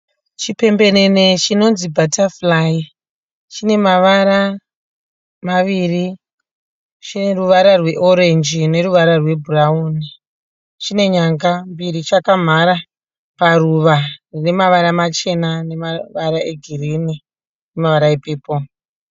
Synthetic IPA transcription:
t͡ʃipe̞mbe̞ne̞ne̞t͡ʃino̞nzibʱataflai | t͡ʃine̞maʋaɾa | maʋiri | t͡ʃine̞ruʋaɾarwe̞ʔo̞ɾe̞nd͡ʒine̞ɾuʋaɾarwe̞bʱurauni | t͡ʃine̞ɲaŋɡambirit͡ʃakam̤aɾa | paruʋarine̞maʋaɾamat͡ʃe̞nane̞maʋaɾaʔe̞ɡʱirini | nemaʋaɾaepeːpo

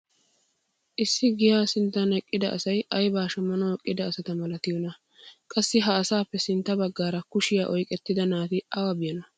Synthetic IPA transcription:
ʔɪsːɪɡɪjaːsɪnt̪ːɐnɛkʼːɪd̪ɐ̰ʔɐsɐjʔɐjbaːʃɐmɐnɔɔkʼːɪd̪ɐːsɐt̪ɐmɐlɐt̪ɪjɔnɐ | kʼɐsːɪɦɐːsaːpːɛsɪnt̪ːɐbɐɡːaːɾɐkʊʃɪjaːʔɔjkʼɛt̪ːɪd̪ɐnaːt̪ɪʔɐwɐbɪjɐnɐ

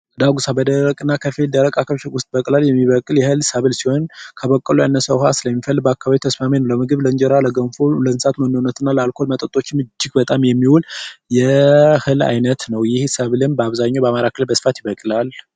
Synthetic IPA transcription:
d̪aɡusabəd̪əɾəkʼɨnːakʰəfeld̪əɾəkʼakʰəʃwʊst̪ʼbəkʼlaljɛmːiβəkʼɨljɛhɨlsəβɨlsiho̞nkʰəβəkʼːəlujanːəsəwɦasɨləmːifəlːɨbəakːaβaβit̪ʰəsmamenəwləmɨɡɨβləɨɲd͡ʒɛɾaləɡənfolənsat̪mənːonːət̪ʰɨnːaləalkʰo̞lmət̪ʼət̪ʼo̞t͡ʃːmɨd͡ʒːɪɡbət̪ʼamjɛmːiwuljɛhɨla̰jnət̪nəwjɪhsəβɨlɨnbəaβzaɲːawbəamaɾakʰɨlbəsɨfat̪jɪβəkʼlal

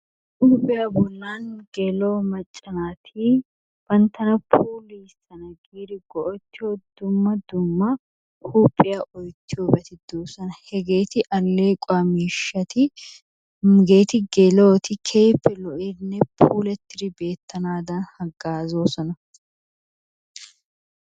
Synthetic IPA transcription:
huːpʼːɪjɐbɔnːaːnɡɛlo̞ːmɐt͡ʃʼːɐnaːt̪ʰiː | b̥ɐnt̪ɐnɐpʰuːliːsɐnɐɡiːɾɪɡɔʔɔt͡ʃːɪɔd̪ʊmːɐd̪ʊmːɐ | hupʼːɪjɐʔɔjt̪ːɪɔbɛt̪ɪd̪uːsɐnɐhɛɡeːt̪ɪʔɐlːe̞ːkʼamiːʃːɐt̪ɪ | mɡe̞ːt̪ɪɡɛloːt̪ɪkʰeːpːɪlɔʔɪnːɛpʰuːlɛt̪ːɪɾɪbe̞ːt̪ːɐnaːd̪aːnhɐɡaːzoːsɔnɐ

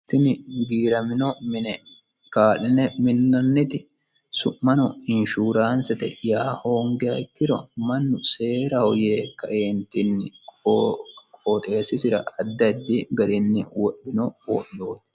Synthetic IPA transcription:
t̪ːɪnɪɡiːɾɐmɪnɔmɪnɛ | kaːlɪnɛmɪnːɐnːɪt̪ɪ | sʊʔmɐnɔɪnʃuːɾaːnsɛt̪ɛ̰jaːhoːŋɡɛɐɪkːɪɾɔ̰mɐnːʊse̞ːɾɐhɔje̞ːkːɐ̰ʔeːnt̪ɪnːɪ | kʼoːt̪ʼe̞ːsɪsɪɾɐ̰ʔɐd̪ːɐd̪ːɪɡɐɾɪnːɪ̰wɔʔːɪnɔwɔɗːoːt̪ː

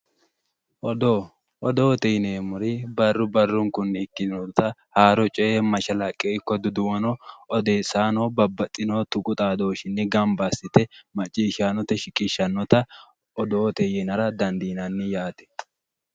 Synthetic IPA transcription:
ʔɔd̪o | ʔɔd̪oːt̪ɛjneːmʊɾɪbɐrːʊbɐrːʊŋkʊnːkːɪɔt̪ɐhaːɾɔt͡ʃʼɛemɐʃɐlɐkʼeːɪkːɔd̪ʊd̪ʊwɐnɔɔd̪eːsaːnoːbɐbːɐt̪ʼːɪnoːt̪ʊkʼʊt̪ʼaːd̪o̞ːʃɪnːɪɡɐmbasɪt̪ɛmɐt͡ʃʼːiːʃanɔt̪ɛʃɪkʼɪʃːɐnːɔt̪ɐ | ɔd̪oːt̪ɛjɛnɐɾɐd̪ɐnd̪iːnɐnːɪjaːt̪ɛ̥

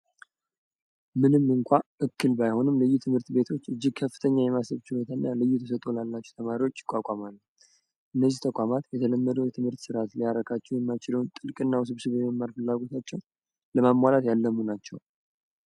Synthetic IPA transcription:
mɨnɨmːɨŋkʷʰaʔɨkːɨlbajho̞nɨmlɨjːut̪ʰɨmhɨɾt̪be̞t̪ʰo̞t͡ʃːɨd͡ʒːɪɡ̚kʰəfːɨt̪ʰəɲːajɛmasəβt͡ʃɪbot̪ʰanːalɨjːut̪ʰəs̬ət̪ʼolalːat͡ʃːɛwt̪ʰəmaɾiwo̞t͡ʃːjɪkʷʼːakʼamalː | ʔɨnːəzːiht̪ʰəkʷʼamat̪jɛt̪ʰələmːəd̪əwjɛt̪ʰɨmhɨɾt̪sɨɾat̪lijaɾəkʰat͡ʃːɛwjɛmːajt͡ʃɪləwnt̪ʼɨlkʼɨnːaws̬ɨβsɨβjɛməmːaɾfɨlːaɡo̞t̪ʰat͡ʃːɛw | ləmamːalat̪jalːəmːunat͡ʃːɛw

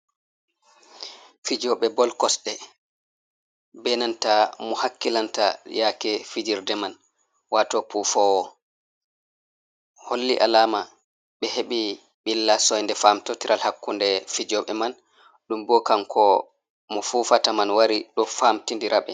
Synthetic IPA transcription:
fid͡ʒɔɓɛbɔlkɔsɗɛ | bɛnantamɔhakːilantajakɛfid͡ʒiɾdɛman | watɔpuːfawɔ | holːiʔalaːma | ɓɛheɓi | ɓilːasɔjndɛfaːmtɔtiɾʔalhakːundɛfid͡ʒɔɓɛman | ɗumbɔkamkʰɔ | mɔfuːfatamanwaɾiɗɔfaːmtindiɾaɓɛ̰

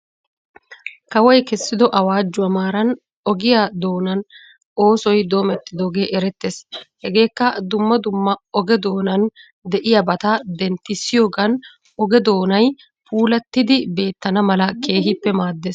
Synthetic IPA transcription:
kɐwɔjkɛsːɪd̪ɔʔɐwaːd͡ʒːʊɐmaːɾɐn | ɔɡɪjad̪o̞ːnɐn | o̞ːsɔjd̪o̞ːmɛt̪ːɪd̪o̞ːɡe̞ːʔɛɾɛt̪ːeshɛɡe̞ːkːɐd̪ʊmːɐd̪ʊmːɐɔɡɛd̪o̞ːnɐn | d̪ɛʔɪjɐbɐt̪ɐd̪ɛnt̪ːɪsːɪjo̞ːɡɐn | ɔɡɛd̪o̞ːnɐj | pʰuːlɐt̪ːɪd̪ɪbe̞ːt̪ːɐnɐmɐlɐke̞ːɦɪpːɛmaːd̪ːeːs

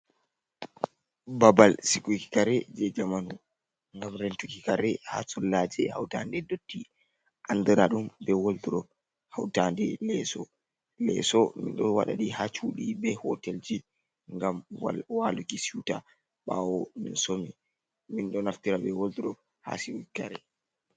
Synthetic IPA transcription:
babalsikuki̥kaɾɛd͡ʒɛd͡ʒamanu | ŋɡamɾɛntukikaɾɛha̰sɔlːad͡ʒɛha̰wtandɛdotːi | ʔandiɾaɗumbɛwolduɗɔ | hawtandɛlɛsɔ | lɛ̰sɔmḭnɗɔwa̰ɗa̰ɗihat͡ʃuːɗibɛhɔtɛld͡ʒi | ŋɡamwalukisita | ɓawɔminsomi | minɗɔnaftiɾabɛwoltuɗɔ | ha̰sikuikaɾɛ

